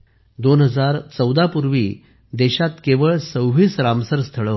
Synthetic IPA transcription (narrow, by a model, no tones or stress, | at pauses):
d̪onɦəd͡zaɾt͡səwd̪apuɾʋḭː | d̪eɕat̪keʋəɭsəwʋiːt͡sɾamsəɾst̪ʰəɭə